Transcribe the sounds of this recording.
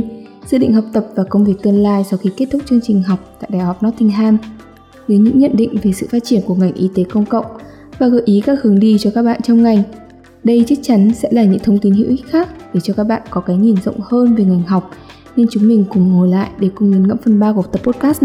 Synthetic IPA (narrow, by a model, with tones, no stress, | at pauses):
zɨ̰˧˨ɗḭ˧˨ŋ̟ɦɔ˨˩wk͡p̚t̪ə˨˩p̚vaː˨˩kə˧wŋ͡mvi˨˩ək̚t̪ɨ˧ənlaː˧jsɔ˧wxi˧ke˦˥t̚t̪ʊ˦˥k͡p̚t͡ɕɨ˧əŋt͡ɕï˨˩ŋ̟ɦa˨˩wk͡p̚t̪a̰ː˧˨jɗaː˨˩jhɔ˨˩k͡p̚nɔ˦˥t̚t̪ʰi˧ŋ̟ɦaː˧m | zə˨˦jɲɨ̰˧˥ŋɲə̰˧˨nɗḭ̈˧˨ŋ̟ve˨˩sɨ̰˧˨faː˦˥t̚t͡ɕi˧˩ənku˧˩əŋa˨˩jŋ̟ʔi˨˦t̪e˨˦kə˧wŋ͡mkə̰˧˨wŋ͡m | vaː˨˩ɣəː˨˩jʔi˨˦kaː˦˥k̚hɨ˨˦əŋɗi˧t͡ɕɔ˧kaː˦˥k̚ɓa̰ː˧˨nt͡ɕɔ˧wŋ͡mŋa˨˩jŋ̟ | ɗə˧jt͡ɕa˦˥k̚t͡ɕa˨˦nsɛ̰˧˥laː˨˩ɲɨ̰˧˥ŋt̪ʰə˧wŋ͡mt̪i˨˦nhḭ˧˥wʔi˦˥k̚xaː˦˥k̚ɗe˧˩t͡ɕɔ˧kaː˦˥k̚ɓa̰ː˧˨nkɔ˨˦kaː˨˦jŋi˨˩nzə̰˧˨wŋ͡mhəː˧nve˨˩ŋa˨˩jŋ̟ɦa˨˩wk͡p̚ | ne˧nt͡ɕʊ˨˦ŋ͡mmï˨˩ŋ̟kʊ˨˩ŋ͡mŋo˨˩jla̰ː˧˨jʔɗe˧˩kʊ˧ŋ͡mɲi˨˦nŋə̰˧˥mfə˨˩nɓaː˧ku˧˨˩t̪ə˨˩pːo˦˥t̚kaː˦˥s